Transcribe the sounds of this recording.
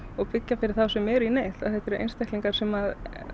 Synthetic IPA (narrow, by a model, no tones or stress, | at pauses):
ɔɣpɪcːafɪɾɪɾ̥θawsɛmɛɾineːjt̪aðθɛht̪ɛɾḛjnst̪ɛhk̪liŋkaɾ̥sɛmað